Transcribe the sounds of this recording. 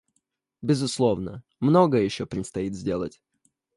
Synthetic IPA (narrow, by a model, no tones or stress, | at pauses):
bʲɪzʊslˠo̞vnə | mno̞ɡəjəjɪɕːopɾʲɪt̪st̪ɐit̪zʲdʲe̞lˠə̰tʲ